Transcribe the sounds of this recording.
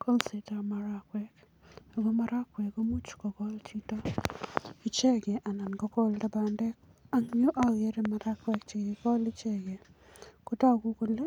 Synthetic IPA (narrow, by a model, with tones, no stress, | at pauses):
ko˦lse˨ta˨ma˨ɾa˦˨kwɛ˦k | a˨ɡo˦ma˦ɾa˦kwɛ˨ko˦mu˦t͡ʃkɔ˨ɡɔ˦lt͡ʃi˦tɔ˦ | i˦t͡ʃe˦ɡe˨ʔa˨na˨nɡɔ˦kɔ˦lda˦ba˨ndɛ˦k | a˨ŋɲo˦ʔa˦je˦ɾe˨ma˨ɾa˦kwɛ˨kt͡ʃe˨ɡi˨kɔ˦li˦t͡ʃe˦ɡe˨ | kʊ˦tɔ˦˨ɡu˦ko˦le˦